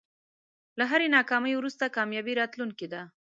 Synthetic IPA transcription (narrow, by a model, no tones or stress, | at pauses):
laɦaɾenɑkɑməjwɾust̪akɑmjɑbiɾɑt̪luŋkid̪a